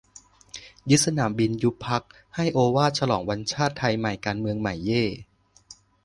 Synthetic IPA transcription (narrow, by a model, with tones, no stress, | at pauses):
ju˦˥t̪̚sa˧naː˩˦mbi˧nju˦˥pʰa˦˥k̚ | ha˥˩jʔoː˧waː˥˩t̪̚t͡ɕʰa˧lɔː˩˦ŋwa˧nt͡ɕʰaː˥˩t̪ʰːa˧jma˨˩jkaː˧nmɯ˧əŋma˨˩jːeː˥˩